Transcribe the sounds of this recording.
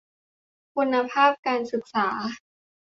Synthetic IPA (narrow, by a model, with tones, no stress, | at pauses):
kʰu˧nːa˧pʰaː˥˩p̚kaː˧nsɯ˨˩k̚saː˩˦